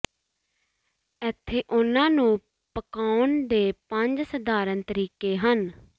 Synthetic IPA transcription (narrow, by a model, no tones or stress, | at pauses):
ɛt̪ʰːeːʔʊnãːnũː | pəkaːʊnd̪eːpəɲd͡ʒsəd̪aːɾənt̪əɾiːkeːɦən